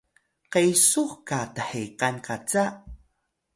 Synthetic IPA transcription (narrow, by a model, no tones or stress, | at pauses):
qejsuχkataħeqankʰat͡sa